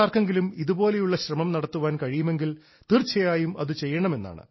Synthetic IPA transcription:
aːrkeŋɡilumiðubo̞ːle̞juɭːɐɕrɐmɐmnɐɽɐt̪ːuʋaːnkɐɻijume̞ŋɡil | t̪irt͡ɕʰːɐjaːjumɐðɨt͡ɕe̞jːɐɳɐme̞nːa̰ːɳɨ̰

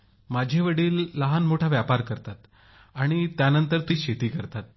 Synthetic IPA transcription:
mad͡ʑʱeʋəɽiːlːəɦanmoʈʰaʋjapaɾkəɾt̪at̪ | aɽ̃it̪janənt̪əɾt̪iːɕet̪iːkəɾt̪at̪̚

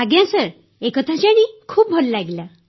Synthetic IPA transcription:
aɡjãsəɾ | ekət̪ʰat͡ɕaɽ̃ikʰuːp̚bʱolːaɡljã

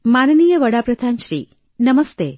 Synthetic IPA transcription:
manənijəʋəɽapɾɐd̪ʱanʃɾḭː | nəməst̪e

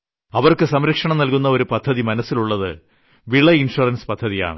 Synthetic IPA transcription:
ɐʋɐrkɨsɐmɾɐkʂɐɳɐmnɐlkunːɐo̞ɾupɐd̪ʱːɐðimɐnɐsːiluɭːɐðɨ | ʋiɭɐinʂurɐnspɐd̪ʱːɐðija̰ːɳɨ

